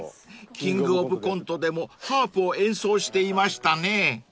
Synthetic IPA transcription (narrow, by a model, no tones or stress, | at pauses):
kʲĩŋɡɯ̟obɯ̟kõ̞nt̪o̞d̪e̞mo̞haːpɯ̟oẽ̞ɰ̃soːɕi̥t̪e̞imaɕi̥t̪ane̞